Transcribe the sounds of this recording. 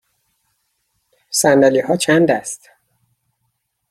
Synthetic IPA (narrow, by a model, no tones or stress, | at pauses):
sænd̪æliːhɒːt͡ʃʰænd̪æst̪